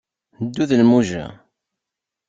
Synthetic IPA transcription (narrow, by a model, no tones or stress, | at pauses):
d̪ːuðəlmuʒæ̰